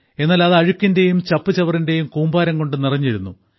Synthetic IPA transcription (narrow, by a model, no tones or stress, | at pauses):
e̞nːaːlɐðɐɻukʲːinde̞jumt͡ɕɐpːɨt͡ɕɐʋɐrinde̞jumkuːmbaːɾɐmŋko̞ɳɖɨnirɐɲːiɾunːu